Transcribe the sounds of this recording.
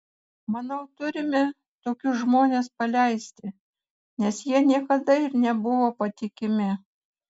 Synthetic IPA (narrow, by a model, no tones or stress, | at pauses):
mɐnɐʊt̪ʊɾʲɪmʲɪ | t̪oːkʲʊsʒmoːnʲeːspɐlʲɛɪsʲt̪ʲɪ | nʲɛsjiɛnʲiɛkɐd̪ɐɪɾnʲɛbʊʋoːpɐt̪ʲɪkʲɪmʲɪ